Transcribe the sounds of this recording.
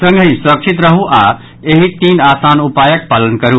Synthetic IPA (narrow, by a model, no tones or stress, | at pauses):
sə̃ŋɡʱə̃j̃sɾəkt͡ʃʰit̪ɾəɦuʔa | eɦit̪inasanupajək̚palənkəɾu